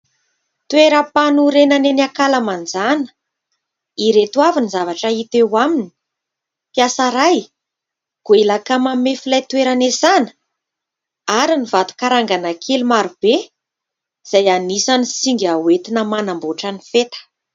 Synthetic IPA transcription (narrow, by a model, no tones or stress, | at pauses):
t̪weɾəpanuɾenəneniakaləmand͡zanə̥ | iɾet̪uavinizavaʈ͡ʂəit̪ewamini̥ | piasaɾaj | ɡ̥uelakamamefilajt̪weɾanesanə̥ | aɾinivat̪u̥kaɾaŋɡanakʰelimaɾub̥e | z̥ajanisanisiŋɡʲawet̪inəmanamboʈ͡ʂanifet̪ə̥